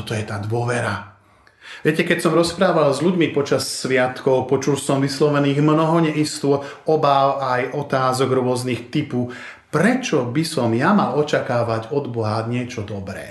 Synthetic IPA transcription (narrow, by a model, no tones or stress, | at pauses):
ɔt̪ɔjɛt̪aːd̪ʊɔʋɛɾa | ʋɪɛcɛkɛcsɔmɾɔspɾaːʋalzʎuɟmipɔt͡ʃassʋɪat̪kɔʊpɔt͡ʃulsɔmʋislɔʋɛniːɣmnɔɦɔɲɛist̪ʊɔɔbaʊajɔt̪aːzɔɡɾʊɔznixt̪ipu | pɾɛt͡ʃɔbisɔmjamalɔt͡ʃakaːʋaɟɔd̪bɔɦaɲɪɛt͡ʃɔd̪ɔbɾɛ̰ː